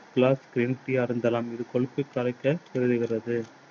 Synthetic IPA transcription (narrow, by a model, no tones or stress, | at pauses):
plaːskɪɾiːnʈːiɐɾɯnd̪ɐlaːmɪðɯkɔɻɯpːɯkːɐɾɐɪkːɐtɛɾɯðɯɣɪrɐðɯ